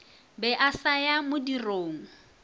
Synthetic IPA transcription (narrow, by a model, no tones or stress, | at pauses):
bɛʔasajamʊdiroːŋ̩